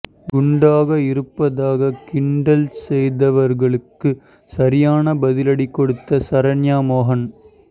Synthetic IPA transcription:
ɡʊɳɖaːɣɐɪɾɯpːɐðaːɣɐkɪɳɖɐlsɛjðɐʋɐɾɣɐɭɯkːɯ | sɐɾɪjaːnɐbɐðɪlɐɽikːɔɽɯt̪ːɐsɐɾɐnjaːmoːɦɐn

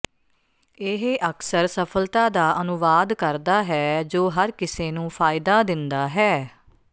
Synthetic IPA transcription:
ɪɦʔəksəɾsəpʰəlt̪aːd̪aːʔənʊʋaːd̪kəɾd̪aːɦɛːd͡ʒoːɦəɾkɪseːnũːpʰaːɪd̪aːd̪ɪnd̪aːɦɛː

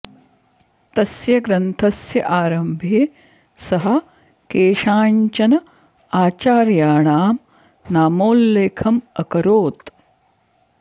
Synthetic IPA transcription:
t̪ɐsjɐɡɾɐnt̪ʰɐsjɐʔaːɾɐmbʱeː | sɐɦɐ̆ | keːʂaːɲt͡ʃɐnɐ | aːt͡ʃaːɾjaːɳaːm | naːmoːlːeːkʰɐmɐkɐɾoːt̪

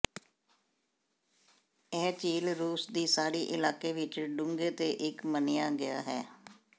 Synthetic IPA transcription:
ɛːt͡ʃiːlɾuːsd̪iːsaːɽiːʔɪlaːkeːʋɪt͡ʃɖʊ̃ŋɡeːt̪eːʔɪkməneːaːɡɪja̰ːɦɛː

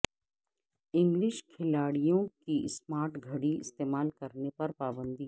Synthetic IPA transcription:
ɪ̃ŋɡlɪʃkʰɪlaːɽijõkismaːɾʈɡʱɐɽiɪ̰st̪eːmaːlkɐɾnepɐɾpaːbə̃nd̪i

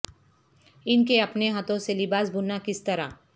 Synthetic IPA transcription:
ɪnkeɐpneɦaːt̪õselɪbaːsbʱʊnakɪst̪ɐɾa̰

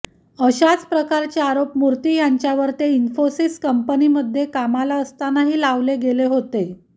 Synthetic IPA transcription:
əɕat͡spɾəkaɾt͡ɕeaɾopmuɾt̪iːjaɲt͡ɕjaʋəɾt̪einfosiskəmpəniməd̪ʱːjekamalaəst̪anaɦiːlaʋleɡeleɦot̪e

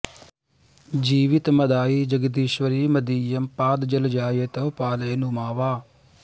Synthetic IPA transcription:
d͡ʒiːʋɪt̪məd̪aːiːd͡ʒəɡd̪iːʃʋəɾiːməd̪iːjəmpaːd̪d͡ʒəld͡ʒaːjet̪əːpaːleːnʊmaːʋaː

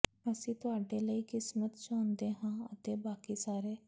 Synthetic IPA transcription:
əsĩːt̪ʊaːɖeːləiːkɪsmət̪t͡ʃãːnd̪eːɦãːət̪eːbaːkiːsaːɾeː

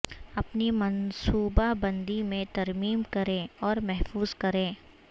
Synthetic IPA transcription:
ɐpnimɐnsuːbabɐ̃nd̪imẽt̪ɐɾmiːmkɐɾẽɔːɾmɛɦfuːzkɐɾẽː

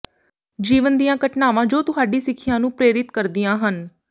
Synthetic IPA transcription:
d͡ʒiːʋənd̪ijãːkəʈnaːʋãːd͡ʒoːt̪ʊɦaːɖiːsɪkʰːɪjãːnũːpɾeːɾɪt̪kəɾd̪ijãːɦən

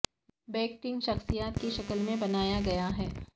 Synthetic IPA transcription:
bɛːk̚ʈɪ̃ŋɡʃɐxsijaːt̪̚kiʃɐkəlmẽbɐnaːjaɡɐjaɦɛː

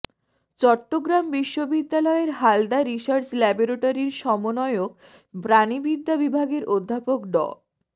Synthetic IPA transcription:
t͡ɕɔʈːoɡɾambiʃːobid̪ːalɔeɾɦald̪aɾiʃaɾt͡ɕlɛboɾoʈaɾiɾʃɔmonɔeok̚ | bɾanibid̪ʱːabibʱaɡeɾod̪ʱːapok̚ɖɔ̰

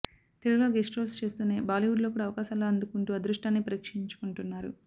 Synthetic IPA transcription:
t̪eɾuloːɡesʈɾoːlst͡ʃe̞ːst̪uːneːbaːliʋuɖlo̞ːkuːɽaːɐʋɐkaːʃaːloːɐnd̪ukuɳʈuːɐd̪ɾuʂʈaːnːipɐɾiːkʂiɲt͡ʃu̥kuɳʈunːaːɾṵ

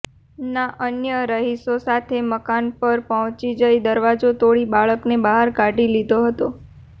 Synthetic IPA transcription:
naʔənjəɾəɦisosat̪ʰeməkanpəɾpəɦɔ̃t͡ʃid͡ʒəid̪əɾʋad͡ʒot̪oɭibaɭəknebaɦaɾkaɖilid̪oɦət̪o

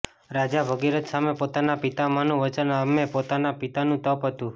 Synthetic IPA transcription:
ɾad͡ʒabʱəɡiɾət̪samepot̪anapit̪amanũʋət͡ʃənamepot̪anapit̪anũt̪əpɦət̪ũ

